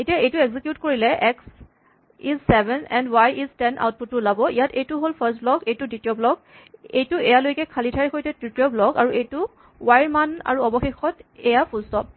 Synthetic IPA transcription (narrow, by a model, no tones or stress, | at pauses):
etijaʔejtueɡzikjutkoɹilɛʔɛks | izsɛbɛnɛndwajʔiztɛnʔa̰wt̚putːʊlabɔʔijatejtuɦolpʰəstblɔkejtuditiɔblɔk | ḛjtʊɛjalojkɛkʰalitʰaɹxojtɛtɹitiɔblɔkaɹuejtʊ | wajɹmana̰ɹuɔbɔxexɔtɛjapʰulstɔp̚